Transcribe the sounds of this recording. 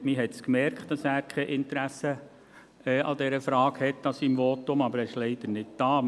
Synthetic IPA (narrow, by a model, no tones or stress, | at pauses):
miɦɛtskmɛɾkʰt̚d̥ɑsæːɾkʰɛʔɪnt̪əɾæsə | ɛɑd̥̪ɛɾəfɾɑːɡhɛtːɑsimʋoːtʊmɑbəɾɛɪʃlɛɪd̪̥əɾnɪt̚d̥ɑː